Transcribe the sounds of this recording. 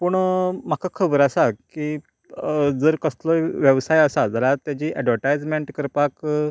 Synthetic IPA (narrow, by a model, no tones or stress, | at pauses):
pəɳm̤akakʰəbəɾasakiː | d͡zəɾkəsləʋjəʋsajasad͡zalat̪jat͡ɕiːʔɛɖʋəɾʈajd͡zmeɳʈkəɾpak